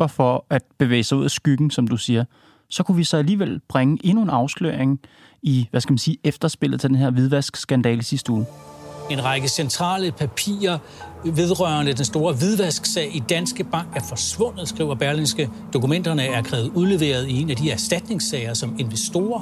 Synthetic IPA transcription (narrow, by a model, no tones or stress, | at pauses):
b̥ɐfɒ̽æd̥̚b̥e̝ʋḛːɪsɑ̈ɪuð̰ˠæsɡ̥yɡ̥n̩sɒ̽md̥usiːɐ | sɒ̽kʰuʋisɒ̽æliːʋel̰b̥ʁaŋəʔe̝nue̝nɑ̈ʊslø̰ɐ̰eŋ | iʋæskæmænsiːefd̥ɐsb̥e̝l̰ð̩ˠt͡sʰe̝d̥enhe̝ɐ̰ʋiðˠʋæsɡ̥sɡ̥ænd̥ɛ̰ːləsisd̥əuːe̝nʁɑ̈ɡ̥əsent͡sʰʁɑ̰̈ːləpʰæpʰḭːɐ | ʋe̝ð̞ˠʁɶɐnəd̥ensd̥o̝ːɐʋiðˠʋæsɡ̥sɛɪid̥ænsɡ̥əb̥ɑ̈ŋ̰ɡ̥æɐfɒ̽sʋɔ̽n̰ð̩ˠsɡ̥ʁḭʊɐb̥æɐlinsɡ̥ə | d̥o̝kumen̰d̥ɐnəæɐkʰʁɛːʊð̩ˠuðˠle̝ʋe̝̰ːɐð̞̩ˠie̝næd̥iæɐsd̥æd̥ne̝ŋsɛɪɐsɒ̽me̝nʋesd̥o̝ːɐ